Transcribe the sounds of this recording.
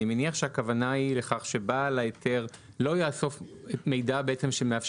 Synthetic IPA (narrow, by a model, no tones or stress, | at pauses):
imeniaχʃeakavanaileχaχʃe̞balaetʰe̞ʁ | lo̞jaso̞feme̞jdabeete̞mʃemeafʃ